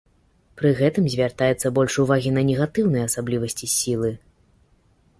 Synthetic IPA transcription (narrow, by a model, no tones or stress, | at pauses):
pɾɨɣɛt̪ɨmzʲvʲart̪ajɛt̪sːɐbɔlʲʂuvaɣʲinɐnʲɛɣat̪ɨwnɨjɐɐsablʲivɐsʲt͡sʲisʲilˠɨ